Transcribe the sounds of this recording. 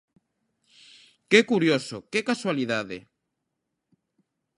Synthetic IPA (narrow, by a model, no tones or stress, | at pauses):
kekuɾjosokekaswaliðaðḛ